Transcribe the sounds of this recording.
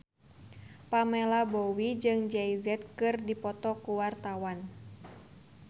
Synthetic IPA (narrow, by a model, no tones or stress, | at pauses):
pamɛlabɔwid͡ʒɨŋd͡ʒɛjzɛt̪̚kɨrdipɔt̪ɔkuwart̪awan